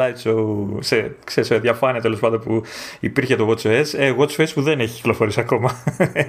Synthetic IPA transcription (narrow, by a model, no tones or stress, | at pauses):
ɐjt͡ʃousekseiseðʝɐfɐniɐt̪e̞lo̞spɐnd̪o̞npuipiɾçe̞t̪o̞ɣot͡ʃoeseɣot͡ʃoespuðeneçi̥ci̥klo̞fo̞ɾisiɐko̞mɐ